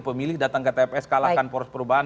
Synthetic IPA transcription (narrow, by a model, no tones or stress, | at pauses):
pəmilɪhdat̪aŋkət̪epɛskalakanpɔɾspəɾubaɦan